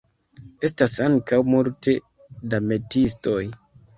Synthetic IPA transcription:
e̞stasaŋkawmulte̞ | dame̞tisto̞j

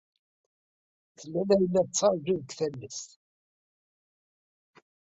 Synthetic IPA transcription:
θəlːænæjənːæðt͡sːɑɾˤʒuðəkθælːəs

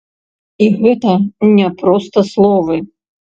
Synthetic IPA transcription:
iɣɛt̪ɐnʲɛpɾɔst̪ɐslˠɔvɨ

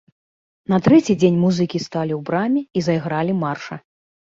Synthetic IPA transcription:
nɐt̪ɾɛt͡sʲid͡zʲenʲmuzɨkʲist̪alʲiwbɾamʲiizɐjɣɾalʲimarʂɐ

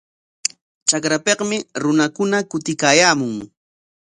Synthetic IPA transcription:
t͡ʃakɾapeqmɪɾʊnakʊnakʊt̪ɪkaːjaːmʊŋ

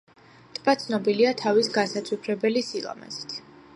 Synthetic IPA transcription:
t̪ʼbat̪sʰnɔbiliat̪ʰavisɡasat̪sʰʼwipʰɾɛbɛlisilˠɔ̰mɛ̰zi̥t̪ʰ

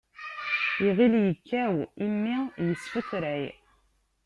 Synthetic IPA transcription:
iʁiljəkːæwimːijəsːfəθɾʕi

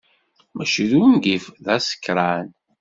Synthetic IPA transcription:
mæʃiðunɡifðæsə̥kːɾˤan

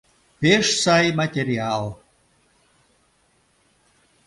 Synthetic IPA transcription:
pʲeʂsajmat̪ʲeɾʲialˠ

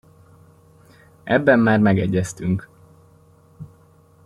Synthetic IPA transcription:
ɛ̰bːɛmːaːrmɛɡɛɟːɛst̪yŋk

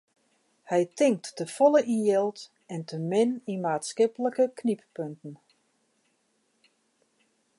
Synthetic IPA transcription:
hɛjtʰɪŋk̚tːəfɔləʔinjɛlˠt | ɛntʰəmɪnimaːtskɪpələkəkʰnippøntn̩

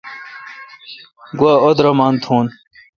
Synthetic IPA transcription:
ɡwaod̪ɾɐmaːnt̪ʰuːn

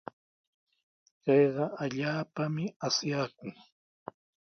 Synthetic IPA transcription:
kɑjɢɑaʎaːpamɪasjaːkʊŋ

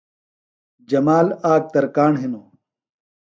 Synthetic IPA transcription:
d͡ʑɐmaːlaːk̚t̪ɐɾkaːɳɦinoː

